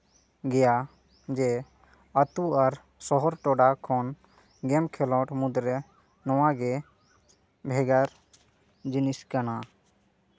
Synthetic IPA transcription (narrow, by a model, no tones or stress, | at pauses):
ɡɛja | d͡ʒɛ | ət̪uaɾ | sɔɦɔɾʈɔɖakʰɔn | ɡɛmkʰɛlɔʈmud̪ɾɛ | nɔwaɡɛ | bʱɛɡaɾ | d͡ʒiniskana